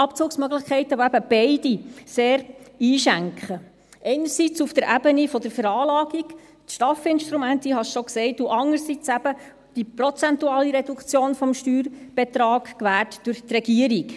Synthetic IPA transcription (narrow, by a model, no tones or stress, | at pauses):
ɑpt͡suːksmœɡlɪχkʰɛɪtəboæb̥əb̥ɛɪd̥iseːɾiːʃæŋkχə | ʔɛɪnəɾsit͡sufd̥əɾʔæbənifɔdəɾfəɾɑːlɑːɡiɡ | tʃtɑfɪnʃt̪ɾumæntiɦɑʃʃɔksɛɪtuʔɑŋəɾsit͡sæb̥ə | d̥ipɾɔt͡sɛntuɑːliɾɛd̥ukt͡sjoːnfɔmʃtyːɾb̥et̪ɾɑːɡkʋæɾtd̥ʊɾçtrɛɡiəɾik